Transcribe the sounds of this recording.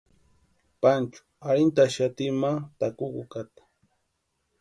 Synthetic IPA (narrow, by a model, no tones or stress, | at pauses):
pant͡ʃʊ̥aɾɪnt̪aʃat̪ɪmat̪akʊkʊkat̪ḁ